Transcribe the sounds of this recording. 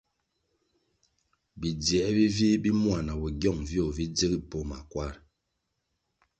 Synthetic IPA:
bi˨djɛ˨˦bi˦vi˦bi˦mwa˨na˨bɔ˨ɡjɔ˦˨ŋvjo˦˨vi˦d͡zə˦ɡi˦po˦ma̰˨kwa˦˨ɾ

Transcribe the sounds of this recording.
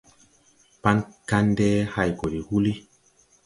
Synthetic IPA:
pa˦nka˦ndɛ˦ha˦˨jko˨ɾi˨hu˦li˦

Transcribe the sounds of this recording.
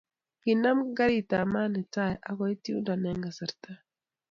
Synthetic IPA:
ki˨na˦mɡa˦ɾi˨ta˨ma˦nɛ˨ta˦˨jʔa˦kɔ˦i˦ti˦u˦nda˨nɛ˦ŋɡa˨sa˨ɾta˦

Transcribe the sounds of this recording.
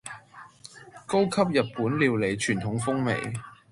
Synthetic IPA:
ko˥wkʰɐ˥p̚jɐ˨t̚puː˨˥nliː˨˧wle˨˩jt͡ʃʰyː˨˩nt̪ʰʊ˨˥ŋfʊ˥ŋmḛ˨j

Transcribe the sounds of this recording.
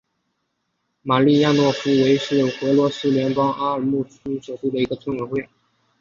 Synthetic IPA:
ma˨˩li˥˧ja˥˧nwɔ˥˩fu˥we˧˥ɪʂɻ̩˥˩xɤ˧˥lwɔ˧˥sɹ̩˥ljɛ˧˥npɑ˥ŋʔa˥ə˞˨˩mu˥˩ʈ͡ʂʰu˥ʂo˨˩t̪u˥˩d̪ə˩i˧˥ɡə˧t͡sʰʊ˥nwə˧˥xwe˥˩ɪ

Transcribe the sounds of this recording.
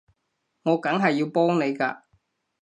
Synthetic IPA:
ŋɔː˨˧kɐ˨˥ŋɦɐ˨jːiː˧wpɔː˥ŋne˨˧jkaː˧

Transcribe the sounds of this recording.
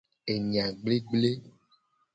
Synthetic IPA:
e˨ɲĩ˨ã˨ɡ͡ble˦ɡ͡ble˦

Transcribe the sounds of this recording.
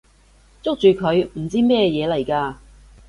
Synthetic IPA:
t͡sʊ˥k̚t͡ʃyː˨˩kʰɵ˨˧ɥm̩˨˩t͡siː˥mɛː˥jɛː˨˧lɐ˨˩jkaː˧

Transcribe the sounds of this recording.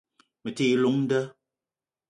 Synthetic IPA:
mə˨ti˦˨˦lu˨˦ŋ̩˦də˦

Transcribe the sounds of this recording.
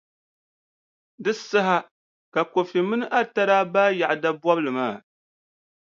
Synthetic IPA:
dɨ˦sa˦ɦa˦ | ka˨ko˨fi˨mɨ˦nɨ˦ʔa˦ta˦ɾaː˦baː˦ja˨ʔda˦bwɔ˦blɨ˨maː˦˨

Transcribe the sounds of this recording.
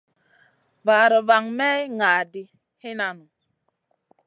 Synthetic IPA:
va˨ɾə˨va˨ŋmɛ˦ŋa˨di˨ | hi˦na˨nu˨

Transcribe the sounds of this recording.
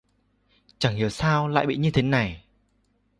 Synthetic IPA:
t͡ɕa˨˧˩ŋhi˨˩əwsaː˧wla̰ː˧˨jɓḭ˧˨ɲɨ˧t̪ʰe˨˦na˨˩j

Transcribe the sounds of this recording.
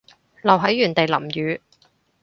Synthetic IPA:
lɐ˨wɦɐ˨˥jːyː˨˩nt̪e˨jlɐ˨˩mjyː˨˧

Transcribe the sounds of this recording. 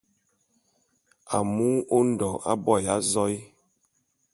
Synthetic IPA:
a̰˨mu˦o˦n̩˦dɔ˨a̰˦bɔ˦˨ja˨˦zɔ˦i˦

